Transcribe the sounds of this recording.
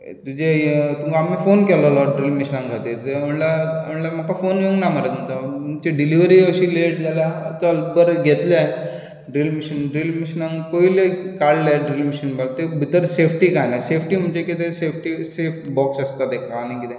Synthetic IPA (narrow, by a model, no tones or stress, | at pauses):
t̪ud͡ʑet̪umkaːmifonkɛlolɔɖɾilmiɕnãŋkʰat̪iːɾt̪eəɳlaəɳlam̤əkafonjəŋɡnaməɾət̪mut̪əmumt͡ɕeɖiliʋɾiəɕileʈd͡zalat̪əəlbəɾɡʱet̪la | ɖɾilmiɕənɖɾilmiɕnãŋkoilekaɽlaɖɾilmiɕənbal̚t̪ebʱit̪əɾsefʰʈiːkajnasefʰʈim̤ənd͡ʑekit̪esefʰʈisefʈbɔksəst̪at̪ekʰaːnikit̪ẽ